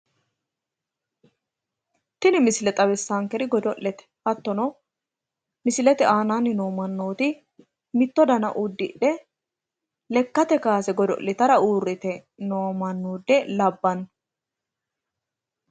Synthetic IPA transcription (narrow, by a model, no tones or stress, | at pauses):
t̪ɪnɪmɪsɪlɛt̪ʼɐβɛsːaŋkɛɾɪɡɔd̪ɔʔːɛt̪ɛ̥hɐt̪ːɔnɔ | mɪsɪlɛt̪ɛʔaːnaːnːɪno̞ːmɐnːoːt̪ɪ | mɪt̪ːɔd̪ɐnɐʔud̪ːɪᶑɛ | lɛkːɐt̪ɛkaːsɛɡɔd̪ɔ̰ʔlɪt̪ɐɾɐuːrːɪt̪ɛ | noːmɐnːuːd̪ːɛlɐbːɐnː